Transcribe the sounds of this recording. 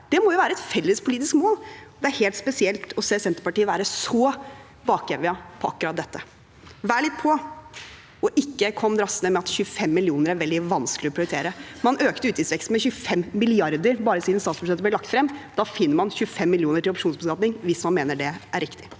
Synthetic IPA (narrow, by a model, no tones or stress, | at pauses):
d̪̥ɛmɔjʊʋæːɾəɛt̪fɛlːəspʰʊliːt̪ɪskmoːlɔd̪ɛæɾheːlt̪spɛsɪɛlt̪ʰɔseːsɛnt̪əɾpɑʈiːəʋæːɾəsɔ | bɑːkjeːʋɪɑpʰɔɑkːʉɾɑt̪̚d̪ɛt̪ːə | ʋæːɭɪt̪ːpʰɔ | ɔʔɪkːəkʰɔmːd̪ɾɑsənəmɛɑt̪çʉfɛmːɪlɪuːnəɾæɾʋɛld̪ɪʋɑnsklɪɔpɾɪʊɾɪt̪ʰeːɾəmɑnøːkt̪əʉːt̪jɪsʋɛkst̪mɛçʉfɛmːɪlɪɑɾd̪əɾbɑːɾəsid̪nst̪ɑːt̪spʂɑt̪əblɛlɑk̚t̪fɾɛmːd̪ɑfɪnːəɾmɑnçʉəfɛmːɪljuːnəʈɪlɔpʂuːnsbəsɡɑːt̪nɪŋʋɪsmɑnmeːnəɖɛʔæɾɪkt̪ɪ